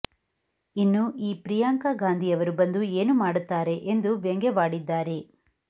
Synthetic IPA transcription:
inːuiːpɾijaːŋkaɡaːnd̪ʱijɐʋɐɾubɐnd̪ueːnumaːɽut̪ːaːɾe̞ʔend̪uʋjeŋɡeʋaːɽid̪ːaːɾe̞

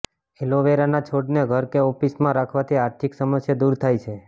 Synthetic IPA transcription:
eloʋeɾanat͡ʃʰoɖneɡʱəɾkeofismãɾakʰʋat̪ʰiaɾt̪ʰiksəməsjad̪uɾt̪ʰajt͡ʃʰe

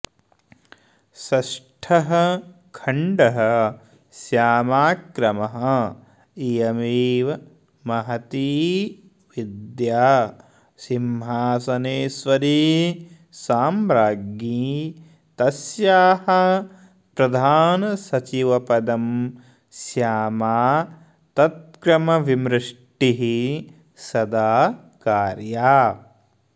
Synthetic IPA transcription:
sɐʃʈʰɐɦɐ̆ | kʰɐɳɖɐɦɐ | sjaːmaːkɾɐmɐɦɐ | ijɐmiːʋɐ | mɐɦɐt̪iː | ʋid̪jaː | simɦaːsɐneːsʋɐɾiː | saːmɾaːɡi | t̪ɐsjaːhɐ | pɾɐd̪ʱaːnɐsɐt͡ʃiʋɐpɐd̪ɐm | sjaːmaː | t̪ɐt̪̚kɾɐmɐʋimɾɪʂʈiɦi | sɐd̪aː | kaːɾjaː

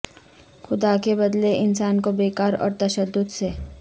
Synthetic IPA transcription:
xʊd̪akebɐd̪leʔɪnsaːnkobeːkaːɾɔ̰ːɾt̪ɐʃəd̪ːʊd̪se

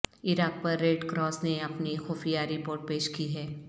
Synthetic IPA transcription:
ɪɾaːk̚pɐɾːeːɖkɾɔːsneɐpnixoːfijaːɾipoːɾʈ̚peːʃkiɦɛː

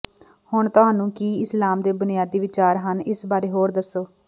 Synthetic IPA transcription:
hʊɳt̪ʊɦaːnũːkiːɪslaːmd̪eːbʊnɪjaːd̪iːʋɪt͡ʃaːɾɦənɪsbaːɾeːɦoːɾd̪əsːoː

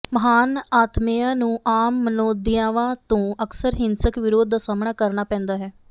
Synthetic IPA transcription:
məɦaːnaːt̪mejãːnũːʔaːmːənoːd̪ɪjãːʋãːt̪õːəksəɾɦɪnsəkʋɪɾoːd̪aːsaːmɳaːkəɾnaːpɛ̃ːnd̪aːɦɛː

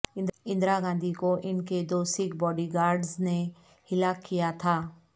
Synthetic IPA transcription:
ɪ̃nd̪ɾaɡãːnd̪ʱikoʔɪnked̪oːsɪkbɔːɖiɡaːɾɖzne | hɪlaːkːijat̪ʰaː

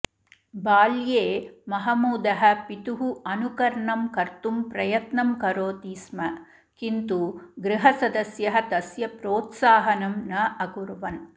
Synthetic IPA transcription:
baːljeːmɐɦɐmuːd̪ɐɦɐ̆pit̪uɦuɐnukɐɾɳɐmkɐɾt̪umpɾɐjɐt̪nɐmkɐɾoːt̪iːsmɐ | kint̪uɡɾɪɦɐsɐd̪ɐsjɐɦɐt̪ɐsjɐpɾoːt̪saːɦɐnɐmnɐɐkuɾuʋɐn

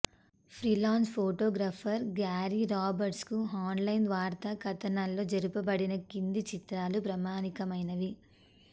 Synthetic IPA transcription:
pʰɾilaːnspʰoːʈoːɡɾaːpʰɐɾɡaːɾiɾaːbɐɾʈskuaːnlɐjnʋaːɾt̪ɐkɐt̪ɐnaːlːo̞ːd͡ʒɐɾupɐbɐɽinɐkind̪it͡ʃit̪ɾaːlupɾɐmaːnikɐmɐjnɐʋi

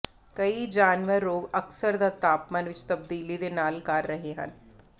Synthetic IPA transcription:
kəid͡ʒaːnʋəɾːoːɡəksəɾd̪at̪aːpmanʋɪt͡ʃt̪əb̚d̪iːlid̪eːnaːlkaɾːəɦeɦə̰n

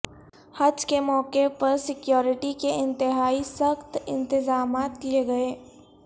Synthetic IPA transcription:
hɐd͡ʒkemɔːkepɐɾsɪkjoːɾɪʈikeɪ̃nt̪ɪɦaːisɐxt̪ɪ̰̃nt̪ɪzaːmaːt̪lieɡɐeː

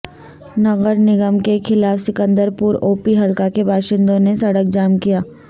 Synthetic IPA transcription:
nɐɣəɾnɪɡəmkekʰɪlaːfsɪkə̃nd̪əɾpuːɾoːpiɦɐlkakebʱaːʃɪ̃nd̪õnesɐɽək̚d͡ʒaːmkijaː

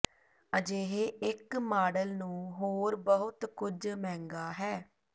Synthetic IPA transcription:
əd͡ʒeːɦeːɪkmaːɖəlnũːɦoːɾbəɦʊt̪kʊd͡ʒmɛ̃ːŋɡaːɦɛː

